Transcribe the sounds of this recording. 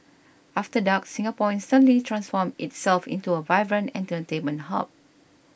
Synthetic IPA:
ʔaftədak̚sĩŋapɔ̃nstãnlitʰɹãnsfɔmɪtsɛlfḭ̃ntuəvajbɹə̃nɛ̰̃ntətẽnmə̃ntha̰p̚

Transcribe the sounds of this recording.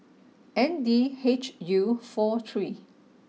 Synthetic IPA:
ɛ̃ndiet͡ʃjufɔt̪ʰɹi

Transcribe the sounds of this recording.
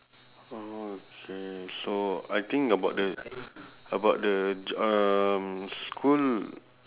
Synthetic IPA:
ookʰesoajt̪ĩŋkəbawt̚də | əbaʊt̚dəd͡ʒəmskʰul

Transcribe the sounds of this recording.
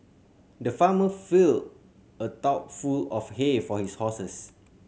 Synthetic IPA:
dəfaməfild | ətɔp̚fulɔfhefɔhishɔsəs

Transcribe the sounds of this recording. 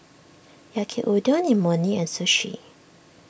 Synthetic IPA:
jakʰiʔudɔnimɔnĩɛ̃nsuʃḭ

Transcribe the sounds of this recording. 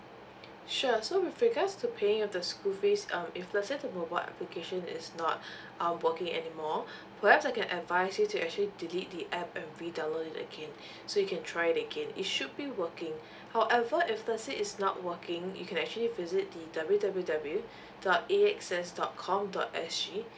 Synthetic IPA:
ʃusowɪfɹiɡatstʰupʰeɪ̃ŋɔfdəskufesʌ̃mɪflə̃sɪ̃tumobaɪlʔɛ̰plikʰeʃə̃nɪ̰snɔt̚ | ãmwəkɪ̃ŋɛ̰nimɔ | pʰəhɛpsaɪkɛ̃nʔədvaɪsjutuʔɛk̚t͡ʃəlidilit̚diʔɛpɛ̃nɹidaloɪtə̰ɡẽn | sojukʰɛ̃ntʰɹajɪtəɡẽnɪ̰tʃud̚biwəkɪ̃ŋ | haʊʔɛvəʔɪflə̃sɪɪsnɔ̰t̚wəkʰɪ̃ŋjṵkʰɛ̃nɛk̚t͡ʃuəlivɪzɪt̚didʌbljudabljudʌblju | d̥ɔt̚eɛksɛsdɔt̚kʰɔ̃mdɔ̰tɛsd͡ʒi

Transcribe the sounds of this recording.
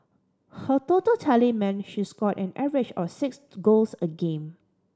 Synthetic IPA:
hətotəltʰɛlimɛ̃nʃiskɔtɛ̃nɛvɪd͡ʒɔfsɪksɡolsəɡẽn

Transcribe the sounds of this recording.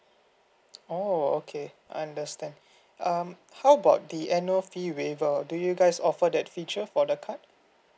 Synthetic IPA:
ookʰe | aãndəstɛ̃nd | am | hawəbaʊt̚diʔɛnəfiwevədujuɡaɪsɔfədɛtfit͡ʃəfɔdəkʰat̚

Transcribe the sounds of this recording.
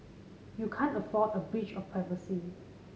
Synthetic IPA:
jukʰãnəfɔdəbɹit͡ʃɔfpʰɹɛvəsi

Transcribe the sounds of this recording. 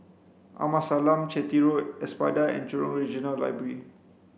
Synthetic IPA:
ʔa̰masalãmt͡ʃɛt̪iɹot̚ɛspajdaɛ̰̃nt͡ʃɔɹɔ̃ŋɹid͡ʒɔ̃nalːa̰jbɹəɹi

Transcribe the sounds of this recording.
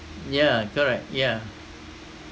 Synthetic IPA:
jækʰəɹɛk̚t̚jæ

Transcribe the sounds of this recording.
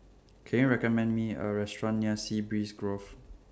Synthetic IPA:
kʰɛ̃njuɹɛkɔmɛ̃ndmiə̰ɹɛstɹɔ̃nniəsibɹisɡɹof

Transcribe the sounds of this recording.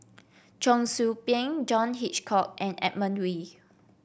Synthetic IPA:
d͡ʒɔ̃ŋsupɛ̃ŋd͡ʒɔ̃nɦit͡ʃkʰɔk̚ɛ̃nɛ̰t̚mə̃nwi

